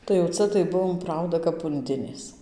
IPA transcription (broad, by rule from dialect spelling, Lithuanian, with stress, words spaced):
tɐɪ jɛʊ ˈt͡sɐ tɐɪ ˈbʊʋoːm ˈprɐʊdɐ kɐp ʊnʲˈdʲɪnʲeːs